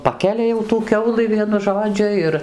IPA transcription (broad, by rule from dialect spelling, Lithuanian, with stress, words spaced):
ˈpɑːkʲɛlʲɛ jɛʊ tuː ˈkʲɛʊlˠɨ ˈʋʲiɛnʊ ˈʒoːd͡ʒʲʊ ˈɪr